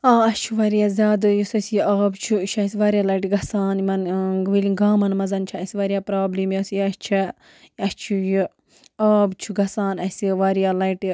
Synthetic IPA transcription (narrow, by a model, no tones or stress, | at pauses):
aːɐst͡ʃʰuʋaːɾijaːzʲaːd̪ɨjisɐsjiʔaːbt͡ʃʰuʃʰɐsiʋaːɾjaːlɐiʈiɡɐsaːnimɐnʋiliɡaːmɐnmɐzɐnt͡ʃʰɐɐsʲiʋaːɾijaːpɾaːbliːmjasijɐst͡ʃʰɐ | ɐst͡ʃʰuju | aːbt͡ʃʰuɡɐsaːnɐsiʋaːɾijaːlɐiʈi